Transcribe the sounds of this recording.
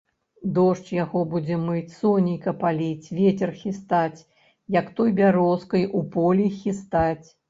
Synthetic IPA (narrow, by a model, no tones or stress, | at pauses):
d̪ɔʂt͡ʃjaɣɔbud͡zʲɛmɨt͡sʲsɔnʲijkɐpalʲit͡sʲvʲet͡sʲɛrxʲist̪at͡sʲ | jɐkt̪ɔjbʲaɾɔskɐjʔupɔlʲixʲist̪at͡sʲ